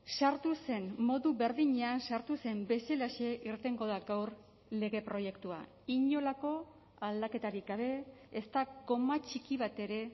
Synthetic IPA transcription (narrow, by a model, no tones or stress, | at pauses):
saɾt̪use̞nmːo̞ðuβe̞ɾðiɲe̞ansaɾt̪use̞mbe̞selasieʔiɾt̪e̞ŋɡo̞ðaɡawɾ | le̞ɣe̞pɾo̞je̞kt̪ua̰ | iɲo̞lako̞ | ald̪ake̞t̪aɾikɡaβ̞e̞ːst̪aɡo̞mat͡ʃikiβ̞at̪e̞ɾe̞